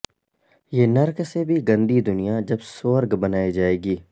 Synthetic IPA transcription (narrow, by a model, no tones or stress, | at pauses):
jeːnɐɾksebʱiɡɐ̃nd̪id̪ʊnijad͡ʒɐbsoːɾɡbɐnaːid͡ʒaːeːɡiː